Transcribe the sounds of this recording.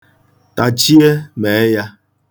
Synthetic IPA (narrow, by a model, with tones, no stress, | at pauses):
ta˨t͡ʃi˦e˦me˨˦ja˦